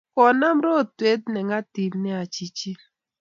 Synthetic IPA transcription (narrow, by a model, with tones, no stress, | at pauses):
kɔ˨na˦mɾo˦˨twe˦t̪̚nɛ˨ŋa˦ti˨lnɛ˦a˨t͡ʃi˨t͡ʃi˦